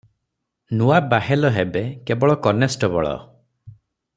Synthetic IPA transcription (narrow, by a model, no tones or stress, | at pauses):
nuabahelɔɦebekebɔɭɔkɔnesʈɔbɔ̰ɭɔ̰